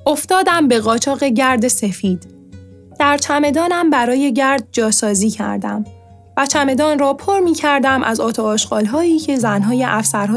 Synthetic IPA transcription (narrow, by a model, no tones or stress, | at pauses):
ʔo̞ft̪ɒːd̪æmbe̞ɣɒːt͡ʃʰɒːɣe̞ɟæɾd̪e̞se̞fiːd̪̥ | d̪̥æɾt͡ʃʰæme̞d̪ɒːnæmbæɾɒːje̞ɟæɾd̪̚d͡ʒɒːsɒːziːcʰæ̰ɾd̪æ̰m | væt͡ʃʰæme̞d̪ɒːnrɒːpʰoɾmiːcʰæɾd̪æmʔæ̰zɒːt̪ʰɒɒːʃɡ̥ɒːlɦɒːiːcʰe̞zænɦɒːje̞ʔæfsæɾɦɔː